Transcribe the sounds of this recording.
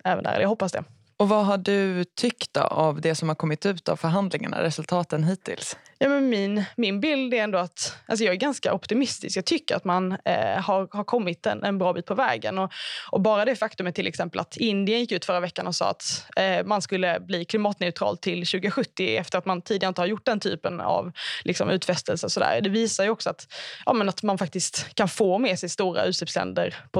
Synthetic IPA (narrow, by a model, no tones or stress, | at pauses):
ɛːvə̰nd̪æ̰ɾ̰ɛ̰ljahɦɔpːasd̪ɛ̰ | ɔvaɦaɖɵt̪ʰʏkt̪̚d̪o̰avd̪ɛsɔmhaɾkʰɔmːɪt̪ʉ̟ːt̪a̰vfœɾɦand̪lɪŋa̰ɳa̰ɾɛsɵlt̪ʰɑːt̪ənɦiːt̪ʰɪ̰lsjɑːmɛnmɪnmɪnbɪld̪ɛɾɛnd̪oːat̪ʔa̰ls̬ɔjɑːɡæɾɡanska̰ʔɔpt̪ɪmɪst̪ɪ̰skjɑɡ̚t̪ʰʏkːəɾa̰t̪manhaɾhaɾkʰɔmːɪt̪ɛ̰nɛnbɾɑːbiːt̪̚pʰɔvɛ̰ːɡə̰nɔʔɔbɑːɾad̪ɛfakt̪ɵmət̪ːɪlʔɛ̰ksɛmpəla̰t̪ʰɪnd̪ɪənjɪkːʉ̟ːt̪fœɾːavɛkːanɔsɑ̰ːa̰t̪manskɵlːəbliːkʰlɪmɑːt̪nɛʉt̪ʰɾɑ̰ːlt̪ʰɪlɕʉ̟ːɡəɧɵt̪ːɪɛft̪əɾat̪mant̪ʰiːd̪ɪɡaɾɪnt̪əhaɾjʊʈ̚ːd̪ɛnt̪ʰy̰ːpəna̰vlɪksɔ̰mʉ̟ːt̪fɛst̪əlsəsɔd̪æ̰ːɾd̪ɛviːsaɾjɵɔksɔat̪ʔɑ̰ːmənat̪manfak̚t̪ɪst̪kʰanfoːmɛsɛjst̪uːɾa̰ʉ̟ːt̪sliːpslɛ̰nd̪əɾpʰɔ